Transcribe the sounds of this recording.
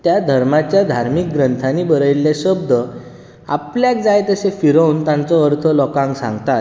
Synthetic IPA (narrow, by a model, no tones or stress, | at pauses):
t̪jad̪ʱəɾmat͡ɕjad̪ʱaɾmik̚ɡɾənt̪ʰaniːbəɾəjlːjaɕəbd̪ə | a̰pljak̚d͡zajt̪əsefiɾaunt̪ãnt͡sɔəɾt̪ʰəlɔkãŋɡsã̰ŋɡt̪at̪